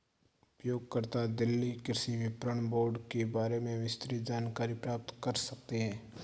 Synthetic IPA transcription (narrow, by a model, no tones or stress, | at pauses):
ʊpjoːɡ̚kəɾt̪ad̪ɪlːikɪɾsiʋɪpɾəɳ̃boːɾɖkebaːɾemẽʋɪst̪ɾid͡ʒaːnkaːɾipɾaːp̚t̪kɐɾsɐk̚t̪eɦɛ̃ː